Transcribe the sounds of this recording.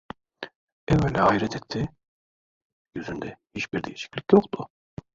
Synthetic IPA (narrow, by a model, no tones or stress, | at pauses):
ɛvɛnlːɛaiɾɛt̪ʰɛt̪ʰːi | jyzynd̪ɛhit͡ʃbiɾd̪ejeʃi̥clʲicjokt̪ʊ